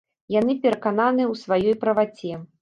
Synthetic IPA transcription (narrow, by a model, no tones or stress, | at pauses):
jan̪ɨpʲɛɾɐkananɨwsvajɔjpɾɐvat͡sʲɛ